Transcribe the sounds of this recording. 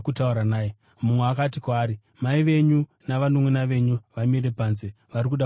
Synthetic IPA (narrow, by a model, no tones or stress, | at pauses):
kutauɾanaːje | mumweakat̬ikwaːɾi | maiʋe̞ɲu | naʋanumwenaʋe̞ɲuʋamiɾe̞paːnze | ʋaɾikuɗa